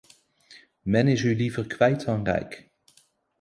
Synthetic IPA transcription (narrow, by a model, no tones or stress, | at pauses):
mɛnɪsylivəɹkʋɛjtɑŋrɛ̰jk